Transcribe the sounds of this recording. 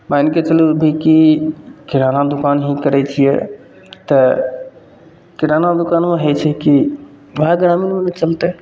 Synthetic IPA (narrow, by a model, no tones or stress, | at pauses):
mãɪnket͡ʃɐlubʱikikɪɾaːnad̪ʊkaːnɦikəɾɛt͡ʃʰijɛ̰ | t̪ə | kɪɾaːnad̪ʊkaːnmẽɦet͡ʃʰɛki | ʋɐɦaɡɾaːminmẽnɐt͡ʃɐlt̪e